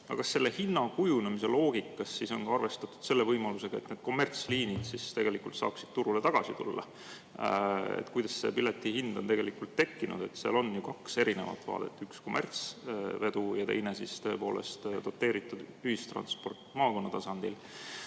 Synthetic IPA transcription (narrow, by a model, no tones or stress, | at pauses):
ɑ̰kɑsːe̞lːe̞hinːɑkujunemise̞lo̞ːɡikːˑɑsːiso̞nkɑɑrve̞st̪ɑt̪ːˑu̥d̪̥se̞lːe̞vɤjmɑluse̞ɡ̥ɑe̞t̪ned̪̥̚ko̞mːert̪sliːnid̪̥sist̪e̞ɡe̞likult̪sɑ̰ːksid̥̪̚t̪uɾule̞t̪ɑɡ̥ɑsit̪ṵlːɑ̰ | ḛt̪kujd̪ɑsse̞̰pilet̪ːˑihind̪̥o̞nt̪e̞ɡ̥e̞likult̪ːe̞kːinṵd̪e̞t̪seɑ̰lo̞nːjukɑkse̞ɾine̞̰vɑ̰t̪ːˑvɑ̰ːd̪̥e̞̰t̪ːˑyksko̞mʔert̪sve̞d̪ujɑt̪e̞̰jnesist̪ø̞e̞po̞̰ːle̞̰st̪d̪̥o̞t̪ːˑe̞ːɾit̪ːˑud̪yhist̪rɑ̰nspo̞rt̪mɑːko̞nːɑt̪ɑsɑnd̪̥il